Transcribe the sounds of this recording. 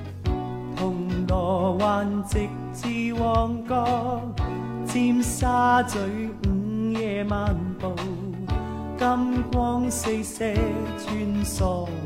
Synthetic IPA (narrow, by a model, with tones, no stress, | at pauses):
t̪ʰʊ˨˩ŋlɔː˨˩waː˨nt͡sɪ˨˧k̚t͡siː˧wɔː˧˩ŋkɔː˥ | t͡siː˧msaː˥t͡sɵ˨˧˥ɥŋ̩˨˥˦jɛː˧maː˨˧npo˨˧w | kɐ˥mkwɔː˥ŋse˧jsɛː˨˧˥t͡ʃyː˧˥nsɔː˨˧˩